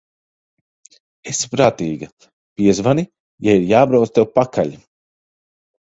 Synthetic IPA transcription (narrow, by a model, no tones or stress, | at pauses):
espɾaːt̪iːɡɐ | pʲiɛzvani | jaiɾjaːbɾaw̪st̪ewpakaʎ